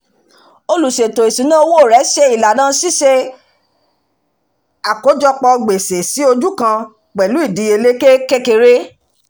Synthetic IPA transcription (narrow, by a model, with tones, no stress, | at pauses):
o˧lu˨ʃe˨to˨i˨sĩ˨˦nã˦o˧wo˦o˦˨ɾɛ˨˦ʃe˧i˨la˨nã˦si˦ʃe˧ | a˨ko˨˦d͡ʒɔ˧k͡pɔ˧ɡ͡be˨se˨si˨˦o˧d͡ʒu˦kã˧ | k͡pɛ˨lu˨˦i˦˨dĩ˨˧˦e˧le˦ke˦ke˦ke˧ɾe˦